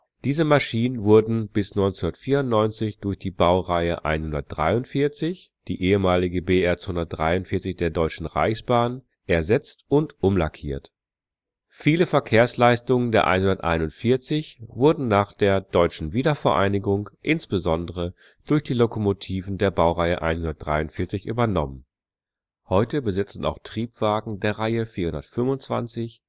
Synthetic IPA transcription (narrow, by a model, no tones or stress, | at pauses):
d̥iːzəmaʃiːnənvʊɐdn̩b̥ɪsnɔʏnt͡sːnɐtfiːɐʊntnɔʏnt͡sɪçd̥ʊɐçd̥iːbaʊʁaɪəʔa̰ɪnhʊndɐt̚d̥ʁa̰ɪʊntfɪɐt͡sɪçd̥iːʔeːəmaːlɪɡəbeːɛɐt͡shʊndɐt̚d̥ʁaɪʊntfɪɐt͡sɪçd̥eːɐdɔʏt͡ʃn̩ʁa̰ɪçsb̥aːn | ʔɛɐzɛt͡stʊntʔʊmla̰kʰḭːɐt | fiːləfɛɐkʰeːɐslaɪstʊŋəndeːɐʔa̰ɪnhʊndɐtʔa̰ɪnʊntfɪɐt͡sɪçv̥ʊɐdn̩naːχd̥eːɐdɔʏt͡ʃn̩viːdɐfɛɐʔa̰ɪnɪɡʊŋʔɪnsb̥əzɔndəʁə | d̥ʊɐçd̥iːlokomotʰiːvn̩deːɐbaʊʁaɪəʔa̰ɪnhʊndɐtd̥ʁaɪʊntfɪɐt͡sɪçʔy̰ːbɐnɔmən | hɔʏtəbəzɪt͡sn̩ʔa̰ʊxtʁ̥iːpv̥aːɡŋ̩deːɐʁaɪəfiːɐhʊndɐtfʏmvʊnt͡sv̥a̰nt͡sɪç